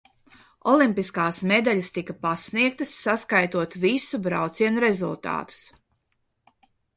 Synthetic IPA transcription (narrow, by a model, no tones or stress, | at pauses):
ɔlˠimpiskaːsmed̪aʎʲast̪ikapasniɛk̚t̪ɐsːaskajt̪uɔt̪visubɾa̰wt̪siɛnuɾezulˠt̪a̰ːt̪u̥s